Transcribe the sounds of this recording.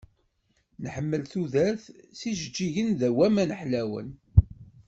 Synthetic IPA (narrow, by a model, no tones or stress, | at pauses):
nħəmːəlθuðæɾθsiʒəd͡ʒːiʝənðæwæmænəħlæwə̰n